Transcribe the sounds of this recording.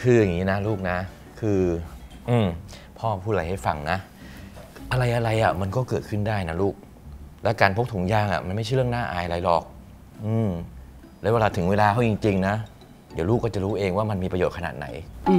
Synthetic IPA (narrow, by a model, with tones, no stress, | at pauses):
kʰɯː˧ja˨˩ŋːiː˦˥na˦˥luː˥˩k̚na˦˥ | kʰɯː˧ | ʔɯː˧m | pʰɔː˥˩pʰuː˥˩t̪̚la˨˧˩jha˥˩jfa˧ŋna˦˥ | ʔa˧ɾa˧jʔa˧ɾa˧jʔa˨˩ma˧nkɔː˥˩kɤː˨˩t̪̚kʰɯ˥˩ndaː˥˩jna˦˥luː˥˩k̚ | lɛ˦˥kaː˧npʰo˦˥k̚t̪ʰu˩˦ŋjaː˧˩ŋʔa̰˨˩ma˧nma˥˩t͡ɕʰa˥˩˨ɾɯ˥˩ənaː˥˩ʔa̰ː˧jʔa˧ɾa˧jlɔː˨˩k̚ | ʔɯː˧m | lɛː˦˥wɛː˧laː˧˩t̪ʰɯ˩˦ŋweː˧laː˧kʰa˥˩t͡ɕi˧ŋt͡ɕi˧ŋna˦˥ | di˨˦luː˥˩kːɔː˥˩t͡ɕa˨˩ɾuː˦˥ʔeː˧ŋwaː˥˩ma˧nmiː˧pɾa˧joː˨˩t̪̚kʰa˧na̰ː˨˩t̪̚na̰˩˦j